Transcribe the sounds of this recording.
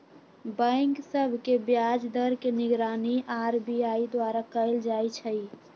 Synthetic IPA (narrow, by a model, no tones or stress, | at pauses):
bə̃ɪŋksəbʱkebjad͡ʒd̪əɾkeniɡɾaniʔaɾbiaid̪waɾakəɪld͡ʒajt͡ʃʰəj